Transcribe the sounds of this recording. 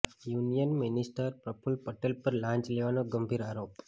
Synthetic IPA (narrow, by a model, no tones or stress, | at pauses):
junijənminisʈəɾpɾəpʰulpəʈelpəɾlãɲt͡ʃleʋanoɡəmbʱiɾaɾop